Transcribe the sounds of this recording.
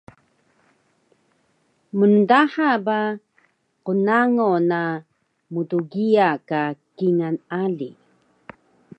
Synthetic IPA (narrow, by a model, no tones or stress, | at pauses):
mundaħaba | qunaŋona | mutuɡiakakiŋanaɮi